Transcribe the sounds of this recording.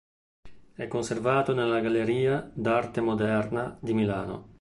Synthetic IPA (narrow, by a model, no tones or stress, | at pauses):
ɛkːonservaːt̪onelaɡaleɾiːad̪art̪emod̪ɛrnad̪imilaːno̰